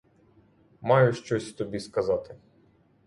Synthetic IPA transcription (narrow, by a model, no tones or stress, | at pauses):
mɑjʊʃt͡ʃɔsʲt̪ɔbʲiskɐzɑt̪ɪ